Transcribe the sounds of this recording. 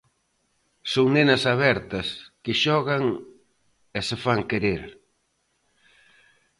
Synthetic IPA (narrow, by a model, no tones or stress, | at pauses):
soŋnenɐsaβɛɾt̪ɐskɪʃɔɣɐŋ | esefaŋkeɾeɾ